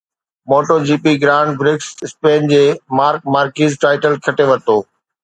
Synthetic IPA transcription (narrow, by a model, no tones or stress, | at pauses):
moːʈoːd͡ʑiːpiɡɾaːɳɖ̚bɾɪksɪspeːnd͡ʑeːmaːɾk̚maːɾkiːzʈaːɪʈəlkʰɐʈeʋɐt̪oː